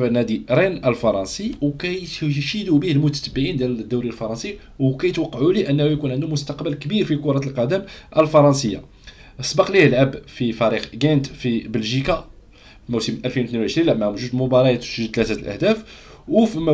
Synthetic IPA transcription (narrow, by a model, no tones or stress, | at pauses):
næd̪iɾinəlfɑɾˤɑnsiwkæjʃid̪ubihəlmʊt̪æ̥t̪əbːəʕind̪æld̪ːuwɾijlfɑɾˤɑnsi | wkæjət̪wɑqːɑʕuliʔənːhujkunʕənd̪ʊmʊst̪ɑqbəlkəbiɾfikʊɾˤɑt̪əlqɑd̪əmʔəlfɑɾˤɑnsəjːa̰ | ʔəsˤbɑqlihəlʕabfifæɾixɡænt̪fibəlʒika | imusəmʔælfinwt̪ninuʕəʃɾinlʕəmːæhʊmʒud̪mʊbɑɾˤɑjæt̪ʃʒət̪læt̪æəlʔə̰hd̪æf | wfimæ